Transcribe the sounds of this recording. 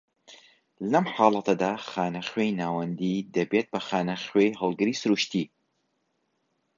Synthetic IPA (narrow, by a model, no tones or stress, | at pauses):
lɐmħaːlˠɐt̪ʰɐd̪aːxaːnɐχwejnaːwɐnd̪id̪ɐbeːt̪̚bɐxaːnɐxwejɦɐlˠɡɨɾiːsɨɾuːʃt̪i